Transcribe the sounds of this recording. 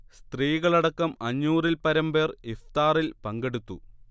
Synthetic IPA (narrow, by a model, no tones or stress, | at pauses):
st̪riːɣɐɭɐɽɐkːɐmɐɲːuːrilpɐɾɐmbe̞ːreft̪aːrilpɐŋɡeɽut̪ːu